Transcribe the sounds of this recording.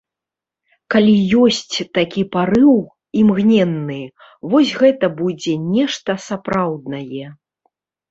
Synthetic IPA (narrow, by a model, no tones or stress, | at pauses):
kalʲijɔsʲt͡sʲt̪akʲipaɾɨw | imɣnʲɛnːɨ | vɔs̬ʲɣɛt̪ɐbud͡zʲɛnʲɛʂt̪ɐsapɾawd̪̚nɐjɛ